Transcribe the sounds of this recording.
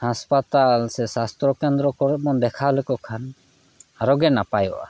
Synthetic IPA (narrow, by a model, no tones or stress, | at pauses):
haspat̪alsɛsast̪ɾɔkɛnd̪ɾɔkɔɾɛp̚mɔnd̪ɛkʰalɛkɔkʰan | aɾɔɡɛnapajɔ̰ʔa